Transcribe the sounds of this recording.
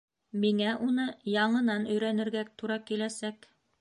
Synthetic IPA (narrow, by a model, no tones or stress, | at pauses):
miŋæʔunɤjɑɴɤ̆nɑnɵ̆jɾænɘ̆ɾɡæt̪uɾɑkilæsæk